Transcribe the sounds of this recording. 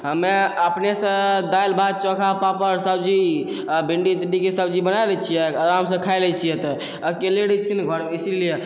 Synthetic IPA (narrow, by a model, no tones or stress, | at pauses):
ɦəmeəpnesə̃d̪ajlbʱad̪̚t͡ʃɔ̃kʰapapəɾsəbd͡ʒi | biɳɖid̪iɳɖikesəbd͡ʒibənajlɛt͡ʃʰijɛəɾams̬ə̃kʰajlɛt͡ʃʰijɛt̪ɔ | əkeleɽɛt͡ʃʰinɡʱɔɾislije